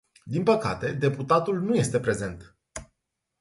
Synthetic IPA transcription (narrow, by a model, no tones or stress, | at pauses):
d̪inpəka̰t̪e̞d̪e̞put̪at̪ulnuje̞st̪e̞pɾe̞ze̞nt̪